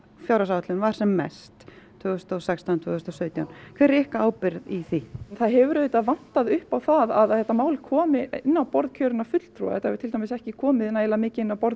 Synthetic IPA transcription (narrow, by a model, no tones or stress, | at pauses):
fjawɾasawt̪lɪnvaɾ̥sɛmːɛ̰st̪ | t̪ʰvʏːɣʏst̪ɔsɛkst̪awnt̪ʰvʏːɣʏst̪ɔsœːɥt̪jawnkʰvɛːɾɛhkaaːwpɪɾðiθinθaðɦɛvʏɾeːt̪aðvan̥t̪aðʏhpawθaðaðθɛht̪ːamaːwlkʰɔːmɪɪnːawpɔɾðcʰœːɾɪnafʏt̪l̥t̪ʰɾṵːa̰ɛht̪aɛvɪɾt̪ʰɪlt̪amɪsɛhcɪkʰɔːmɪðɪnaeːlamɪːcɪɪnːawpɔɾ